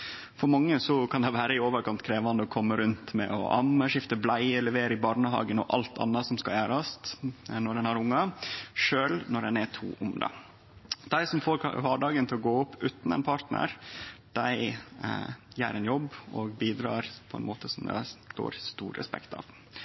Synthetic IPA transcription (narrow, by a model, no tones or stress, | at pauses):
fɔɾmɑŋːəsɔkʰɑnd̪ɛʋæːɾəɪoːʋəɾkʰɑnt̪kʰɾeːʋɑnd̪əɔkʰɔmːəɾʉnt̪mɛ̰ɔ̰ʔɑmːəʂɪft̪əblæɪlɛʋeːɾəɪbɑɾɳəɦɑ̰ːɡənɔʔɑ̰lt̪ʰɑ̰nːɑsɔmskɑljæːɾɑst̪nɔdɛnɑɾʊŋːɑʂøːlnɔɾdɛnæt̪ʰṵːʔʊmd̪ɑ̰ | d̪̥æɪsɔmfoːɾʋɑːɖɑːɡənt̪ʰɪlɔɡoːʊpʰːʉːt̪n̩ɛ̰ɪnpʰɑɾʈ̪nə̰ɾd̪̥æɪ | jæ̰ːɾɛnjɔbɔɡbiːd̪ɾɑ̰ːɾpʰɔɛ̰nmoːt̪ʰəsɔmd̪ɛ̰t̪o̰ːɾst̪ṵːɾɾɛ̰spɛ̰kt̪ʰɑ̰ʋ